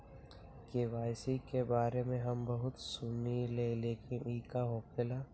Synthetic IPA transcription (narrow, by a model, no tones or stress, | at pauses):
keʋaːjsikebaːɾemẽɦɐmbɐɦʊt̪sumileleːkɪniːkaɦoːkʰɪla